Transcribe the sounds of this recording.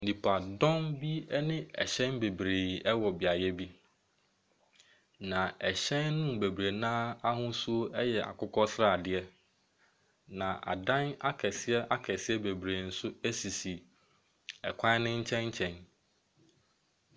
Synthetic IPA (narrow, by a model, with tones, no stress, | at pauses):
n̩˨ĩ˨pʰa˨dɔ̃˦nbi˦ɛ˦nɪ̃˦ɛ̰˨ɕɛ̃˦nbe˨bɾeː˨ɛ˦wɔ˨bɪ˨a˨jɛ˦bi˦ | nã˨ɛ˨ɕɛ̃˦nːʊ̃˦m˨be˨bɾe˨nãː˦a˦hʊ̃˦su˦o˦ɛ˦jɛ˨ʔa̰˨kʰʊ˦kʰɔ˦sɾa˦˨dɪ˦ɛ˦ | nã˨ʔa̰˨dã˦na˦kʰɛ˨sɪ˦ɛ˦ʔa˦kʰɛ˨sɪ˦ɛ˦be˨bɾe˨n̩˨sʊ˦æ˦si˨si˨ | ɛ˨kʷʰã˦nɪ̃˦ɲ̩˦t͡ɕʰɛ̃˦ɲ˦t͡ɕʰɛ̃˨n